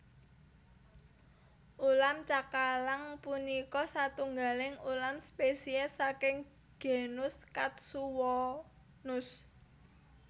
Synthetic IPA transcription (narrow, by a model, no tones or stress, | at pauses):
ʔulamt͡ʃakalaŋpunikɔsat̪uŋɡalɪŋulamspesiɛsːakɪŋ | ɡ̥e̤nʊskat̪̚suwɔ | nʊs